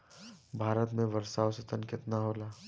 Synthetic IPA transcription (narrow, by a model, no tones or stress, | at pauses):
bʱaːɾət̪mẽʋəɾsaːwsət̪ənkɪt̪naɦoːlaː